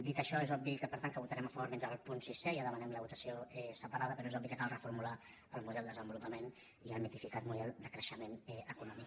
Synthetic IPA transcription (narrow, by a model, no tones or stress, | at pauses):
d̪it̪əʃɔezɔbbikəpəɾt̪aŋkəβut̪əɾɛmɐəfəβoɾmend͡ʒəəlˠpunsisɛjaðəmənɛmləβut̪əsioɛsəpəɾaðəpəɾɔezɔbikəkalˠrəfuɾmula | əlˠmuðɛlˠd̪əzəmbulupəmen | iəlˠmit̪ifikat̪muðɛlˠd̪əkɾəʃəmenɛəkunɔmik